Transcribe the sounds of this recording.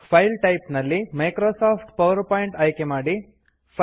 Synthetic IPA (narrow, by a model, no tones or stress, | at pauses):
pʰɐjlʈɐjpnɐlːimɐjkɾoːsaːpʰʈpɐʋɐɾpaːjiɳʈɐjkemaːɽi | pʰ